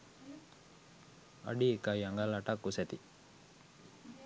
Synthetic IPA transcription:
a̰ɖiekajaŋɡalaʈakːuset̪i

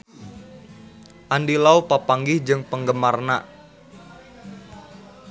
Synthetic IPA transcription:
ʔandilaupapaŋɡɪhd͡ʒɨŋpəŋɡəmarna

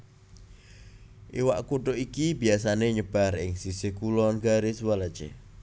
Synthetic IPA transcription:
ʔiwa̰ʔkuʈoʔikibi̤asaneɲəb̥a̤rɪŋsisekulɔnɡaɾɪswalad̥t͡ʃḛ

